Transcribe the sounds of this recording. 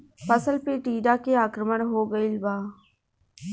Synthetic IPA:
pəsəlpiːʈiːɖaːkeaːkɾəməɽɦoːɡəilbaː

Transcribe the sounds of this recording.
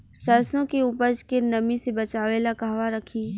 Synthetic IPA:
səɾsõkeʊpəd͡ʒkenɐmisebɐt͡ʃaːʋeːlakaɦʋaɾɐkʰiː

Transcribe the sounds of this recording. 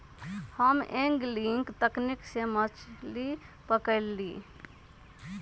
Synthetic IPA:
həmẽŋɡliŋkt̪əkniksemət͡ʃlipəkəɪlːi

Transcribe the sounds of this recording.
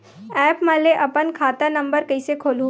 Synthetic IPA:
ɛːpmaleʔɐpənkʰaːt̪anɐ̃mbəɾkɐisekʰoːlũ

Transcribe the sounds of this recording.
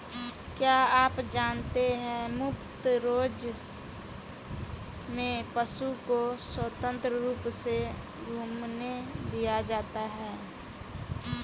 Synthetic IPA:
kjaːaːpd͡ʒaːnt̪eɦɛ̃mʊk̚t̪ɾoːd͡ʒ | mẽpəʃukoswət̪ə̃nt̪ɾəɾuːpse | ɡʱuːmned̪ijad͡ʒaːt̪aɦɛː

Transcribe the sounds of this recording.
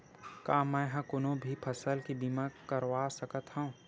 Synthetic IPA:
kaːmɛ̃ːɦɐ̃kʊnõbʱipʰɐsəlkibimakəɾwaːsəkət̪hũũ

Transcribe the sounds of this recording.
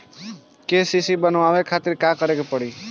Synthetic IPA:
kesisibənʋaːʋekʰaːt̪ɪɾkakəɾekepəɽiː

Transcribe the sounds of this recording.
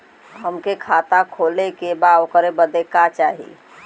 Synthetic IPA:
ɦəmkekʰat̪akʰolekebaokəɾebəd̪ekat͡ʃaɦḭ

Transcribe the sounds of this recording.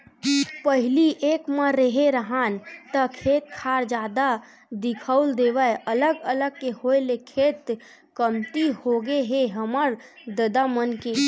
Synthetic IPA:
pəɦɪliʔekmə̃ɾeɦeɾəɦant̪əkʰet̪̚kʰaɾd͡ʒad̪a | d̪ɪkʰəuld̪eʋəjələɡələɡ̚kehoelekʰet̪ | kəmt̪ihoɡeɦeɦəməɾ | d̪əd̪amənke

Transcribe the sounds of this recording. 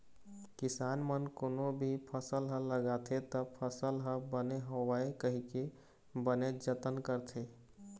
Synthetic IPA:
kɪsaːnmənkonobʱipʰəsəlɦə̃ləɡat̪ʰet̪əpʰəsəlɦə̃bəneɦowaekəɦike | bəned͡ʒət̪ənkəɾt̪ʰe

